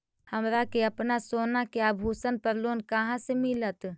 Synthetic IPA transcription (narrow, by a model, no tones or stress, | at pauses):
həmɾakeəpnasoːnakeabʱusənpəɾloːnkəɦãsemɪlət̪